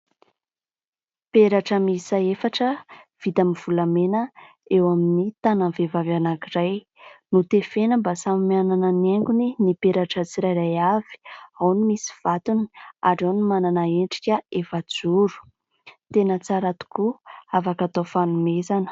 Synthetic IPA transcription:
peɾaʈ͡ʂəmisaefaʈ͡ʂəv̥it̪amiv̥ulamenə | ewaminit̪ananvevavanakiraj | nut̪efenəmbasamimianananeŋɡuninipeɾaʈ͡ʂət͡siɾajɾajavi̥awnimisi̥v̥at̪uni̥a̰ɖ͡ʐanimananaeɳʈ͡ʂi̥kʲəefad͡zuɾu̥ | t̪enət͡saɾat̪u̥kuavakat̪ofanumezanə̥

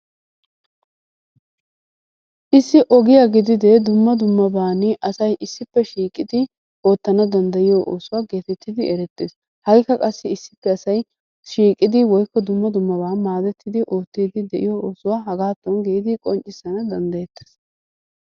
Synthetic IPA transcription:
ʔɪsːɪʔɔɡɪjaɡɪd̪ɪd̪ɛd̪ʊmːɐd̪ʊmːɐbaːnɪʔɐsɐjʔɪsːɪpːɛʃiːkʼɪd̪ɪ | ʔo̞ːt̪ːɐnɐd̪ɐnd̪ɐjɪjoʔo̰ːsʊwaːɡe̞ːt̪ɛt̪ːɪd̪ɪɛɾɛt̪ːeːs | hɐjkːɐkʼɐsːɪɪsːɪ̥pːɛɐsɐj | ʃiːkʼɪd̪ɪwɔjkːɔd̪ʊmːɐd̪ʊmːɐbaːmaːd̪ɛt̪ʰːɪd̪ɪʔo̞ːt̪ːiːd̪ɪd̪ɛʔɪjooːsʊwaːɦɐɡaːt̪ːɔnɡeːd̪ɪkʼɔnt͡ʃʼːɪsːɐnɐd̪ɐnd̪ɐjɛt̪ːe̥s

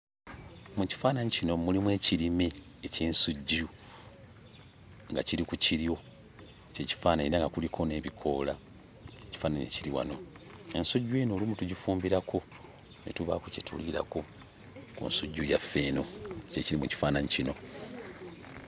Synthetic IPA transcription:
muci̥faːnaɲcino̞mulimwe̞ːciɾime̞ː | ceːnsuɟːu | ŋɡaciɾikuciɾijo̞ | ce̞ci̥faːnaiɾaŋɡakulikʰo̞ne̞ːβikʰo̞ːla | ce̞ci̥faːnaɲḛciɾiwa̰no̞ | ensuɟːueːnoːlimutuɟifuːmbiɾako̞ | netuβa̰kocetṵliːɾa̰ko̞ | kṵnsuɟːujafːe̞ːno̞ceciɾimuci̥faːnaɲicino̞̰

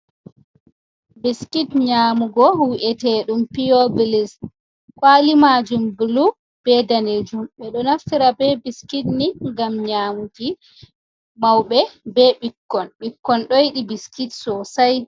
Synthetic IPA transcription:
biskitɲaːmuɡɔwiʔɛtɛɗumpiobilis | kwalimad͡ʒumblu | b̥ɛdaned͡ʒumɓɛɗɔnaftiɾabɛbiskitniŋɡamɲaːmuti | mawɓɛbɛɓikːɔnɓikːɔnɗɔjiɗibiskitsɔsaj

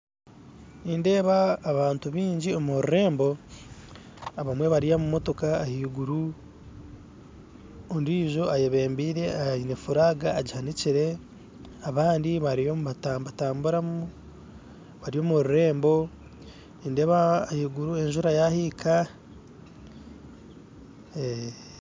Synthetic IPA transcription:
niːnde̞ːβaːβaːntuβiːɲɟio̞muhoɾuɾe̞ːmbo̞ | aβamwe̞βaɾijamumo̞to̞kaːhiːɡuɾu | ondiːʒo̞ʔajeβe̞ːmbiːɾe̞ainefuɾaɡaːɟihaniciɾe̞ | aβaːndiβaɾijomβatabataːmbuɾamu | βaɾijo̞ːmuhoɾuɾe̞ːmbo̞ | niːndeβaːhiːɡuɾue̞ɲʒuɾajahiːkʰa | e

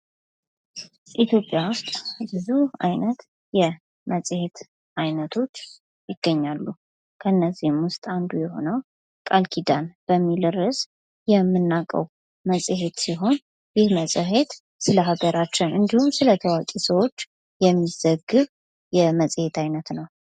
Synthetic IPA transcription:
ʔit̪ʰjo̞pʼːjawʊst̪ʼbɨzua̰jnət̪ | jɛ | məsʼhe̞t̪ | ʔajnət̪ʰo̞t͡ʃː | jɪɡ̥ːəɲːalːu | kʰəɨnːəzːihmwʊst̪ʼand̪ujɛho̞̰nəw | kʼalkʰid̪anb̥əmːilɨrɨs | jɛmːɨnːakʼə̰w | məsʼhe̞t̪siɦo̞n | jɪhməsʼɨɦe̞t̪ | sɨləɦaɡəɾat͡ʃːɛwʔɨnd̪ihumsɨlət̪ʰəwakʼisəwo̞t͡ʃː | jɛmːizəɡɨβ | jɛməsʼhe̞t̪ʰajnət̪nəw

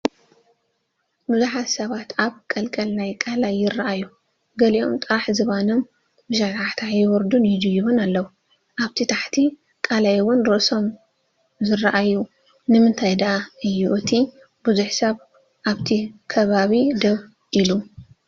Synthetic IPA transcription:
bɨzuħat̪sɐβat̪ʰaβkʼɐlkʼɐlnajkʼalajːɪrːaʔaju | ɡɐliʔo̞mt̪ʼɨɾaħzɨβanom | bɨʃat̪ʰaħt̪ʰajɪwɔɾd̪unjɪd̪ɨjuβʊnalːɐwu | ʔaβt̪ʰit̪ʰaħt̪ʰi | kʼalajwʊnɾoʔso̞m | zɨraʔajːu | nɨmɨnt̪ʰajd̪ɐʔaɨjːuʔɨt̪ʰi | bɨzuħsɐβ | ʔaβt̪ʰikʰɐβaβid̪ɐβ | ʔilu

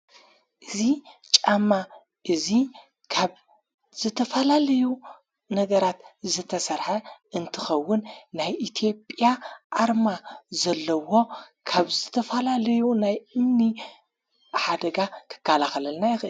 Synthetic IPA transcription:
ʔɨzit͡ʃʼamːa | ʔɨzi | kʰaβ | z̥ɨt̪ʰɐfɐlalɐju | nɐɡɐɾat̪zɨt̪ʰɐsɐɾħɐʔɨnt̪ʰɨxɐwːʊnːajʔit̪ʰijo̞pʼjaʔaɾmazɐlːɐwo̞kʰaβzɨt̪ʰɐfɐlalɐjunajɨmni | ħad̪ɐɡakʰɨ̥kːalaxɐlɐlnajɪxʔɨl

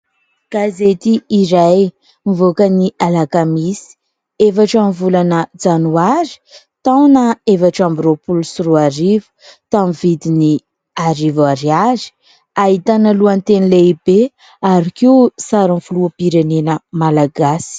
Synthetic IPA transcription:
ɡ̥azet̪iːɾaj | mivokənialakamisi̥ | efaʈ͡ʂamivulanəd͡zanuaɾi̥ | t̪awnəefaʈ͡ʂambiropulusuɾuaɾivu̥t̪amivid̪ini | aɾivaɾiaɾi̥ | aɦit̪analuant̪enileibe | aɾikisaɾinfuluəpiɾenenəmalaɡasi̥

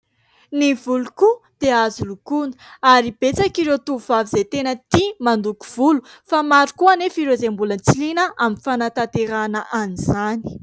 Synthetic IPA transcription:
nivulukud̪̥eazulukunə̥aɾib̥et͡sakiɾewt̪uuvavizet̪enət̪imand̪uku̥v̥ulu | famaɾukuanefiɾezembulənt͡silinəaminfanat̪at̪eɾanəʔanizani̥

